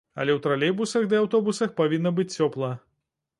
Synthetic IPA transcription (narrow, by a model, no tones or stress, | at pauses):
ɐ̰lʲɛwt̪ɾalʲɛbusɐxd̪ɨawt̪ɔbusɐxpavʲinːɐbɨt͡sʲt͡sːʲɔplˠɐ